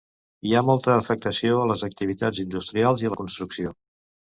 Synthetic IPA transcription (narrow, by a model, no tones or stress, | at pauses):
iamɔlˠt̪əːfək̚t̪əsioələzək̚t̪iβit̪ad͡zind̪ust̪ɾialˠziələkunst̪ɾuksio